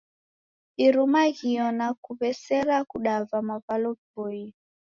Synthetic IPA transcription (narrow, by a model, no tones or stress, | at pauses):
iɾumaɣiɔnakuβɛsɛɾakuɗavamaβalɔpɔi